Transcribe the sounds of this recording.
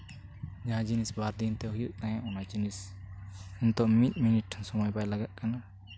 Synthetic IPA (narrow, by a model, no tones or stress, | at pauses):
d͡ʒaɦãd͡ʒinisbaɾd̪int̪ɛɦujuʔt̪ãjãʔɔnad͡ʒinis | ɛnt̪ɔʔmit̪̚miniʈ̚ʈʰansɔmɔjbajlaɡaʔ̪̚kana